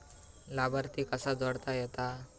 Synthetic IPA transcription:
labəɾt̪ikəsad͡zɔɽt̪ajet̪a

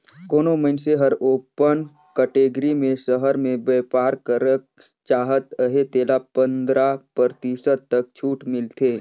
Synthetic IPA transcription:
koːnoməɪnseɦəɾoːpən | kɛʈeːɡɾimẽʃəɦəɾmẽbɛːpaːɾkəɾək̚ | t͡ʃaːɦət̪əɦet̪eːlapə̃nd̪ɾapəɾt̪isəd̪̚t̪ək̚t͡ʃʰuːʈmɪlt̪ʰeː

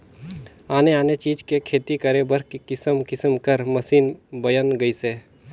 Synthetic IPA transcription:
aːneaːnet͡ʃiːd͡ʒkekʰeːt̪ikəɾebəɾkikɪsəmkɪsəmkəɾməsiːnbəjənɡəiseː

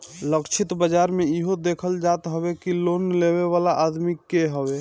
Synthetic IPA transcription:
ləkt͡ʃʰɪt̪bəd͡ʒaːɾmeiɦod̪eːkʰəld͡ʒat̪ɦəbekiloːnleweʋalaʔad̪mikːeɦəwe

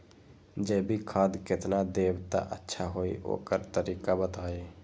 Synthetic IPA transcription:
d͡ʒɛːbʱikʰaːd̪kɪt̪nad̪eːbt̪a̰ʔə̰tːʃʰaɦoːḭo̰ːkəɾt̪əɾiːkabət̪aːe

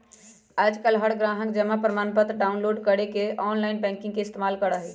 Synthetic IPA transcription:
ad͡ʒkəlɦəɽɡɾaɦəkd͡ʒɛmapɾəmanpət̪ɾɖaunloɖkəɽekeʔɔnlajnbɛ̃ŋkĩŋɡkeist̪emalkəɾəɦɛ

